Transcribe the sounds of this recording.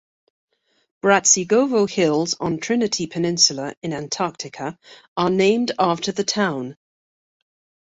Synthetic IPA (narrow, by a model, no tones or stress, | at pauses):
b̥ɹatsiɡoʊvoʊhɪlˠzn̩tʰɹ̥ɪnɪtʰipʰənɪ̃nsjələɪ̃nãntʰɑˑk̚tʰɪkʰə | ənẽɪ̃mdɑˑftəðətʰãʊ̃n